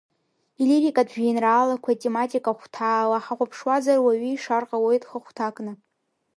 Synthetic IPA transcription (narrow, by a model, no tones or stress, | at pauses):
iliɾikʼadʒᶣinraːlakʷʰatʲʼematʼikʼaχʷtʰaːlaħaχʷapʰʂwazarwaɥiːʂarqʼawejtʼχəχʷtʰakʼnɨ